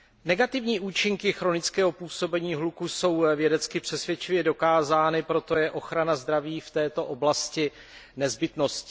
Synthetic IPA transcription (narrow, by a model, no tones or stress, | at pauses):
nɛɡat̪ɪvɲiːʔuːt͡ʃɪŋkɪxɾo̞nɪt͡skɛːɦo̞puːso̞bɛɲiːɦlukuso̞wvjɛdɛt͡skɪpr̝̥ɛsvjɛt͡ʃɪvjɛdo̞kaːzaːnɪpɾo̞t̪o̞jɛʔo̞xɾanazd̪ɾaviːft̪ɛːt̪o̞ʔo̞blascɪ | nɛzbɪt̪no̞scɪ